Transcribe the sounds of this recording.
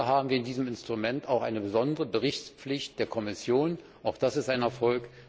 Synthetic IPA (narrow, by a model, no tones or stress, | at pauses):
ɦaːbm̩viːɐɪndiːzəmɪnstʁ̥umɛntaʊxʔa̰ɪnəbəzɔndəʁəbəʁɪçt͡sp͡flɪçt̚d̥eːɐkʰɔmɪsjoːn | ʔaʊxd̥asɪstaɪnɛɐfɔlk